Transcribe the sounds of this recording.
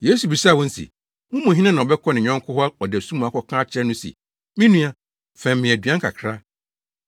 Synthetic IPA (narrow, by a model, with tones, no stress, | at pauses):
je˦su˨bi˨sa˦˨wɔ̃˦n̩˦sʰḭ˨ | wʊ̃˦mũ˨ɦĩ˦nã˦nã˨ɔ˨bɛ˦kʰɔ˦nɪ̃˨ɲᶣɔ̃˦ŋ˦kʰʊ˦hɔ˦a˦ɔ˨dɛ˨sũ˦mũ˨a˨kʰɔ˨kʰãː˦t͡ɕʰɪ˦ɛ˦nʊ̃˦sḭ˨ | mɪ̃˦nũ˦ã˦ | fɛ̃˨m˨mɪ̃˨æ˨dɥã˦ŋ̩˦kʰa̰˨kʰɾa˦